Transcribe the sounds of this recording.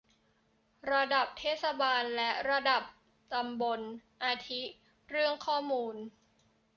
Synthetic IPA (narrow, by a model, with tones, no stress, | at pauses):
ɾa˧da˨˩p̚t̪ʰeː˥˩t̪̚sa˧baː˧nlɛ˦˥ɾa˧da˨˩p̚ | t̪a˧mbo˧nʔaː˧t̪ʰi˦˥ | ɾɯ˥˩əŋkʰɔː˥˩muː˧n